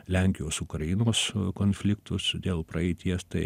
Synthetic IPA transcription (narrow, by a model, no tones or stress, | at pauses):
lʲæŋʲkʲɪjoːsʊkɾɐjinoːskoːnʲfʲlʲɪkt̪ʊsd̪ʲeːlˠpɾɐɛɪt̪ʲiɛst̪ɐɪ